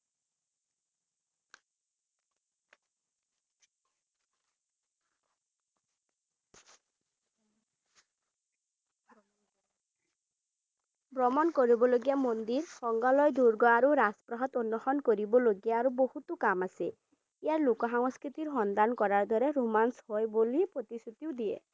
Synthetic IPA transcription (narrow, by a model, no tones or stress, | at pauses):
bɾɔmɔnkoɾibɔloɡijamond̪iɾhɔŋɡɔlɔjd̪uɾɡɔaɾuɾaspɾɔɦɔt̪onːɔxɔnkɔɾibɔloɡijaːɾubohut̪ukamase | iaɾlokɔɦaŋɔskɾit̪iɾɦɔnd̪ankɔɾaɾd̪ʱɔɾeɾumanshɔebolipɾot̪isut̪iwd̪iḛ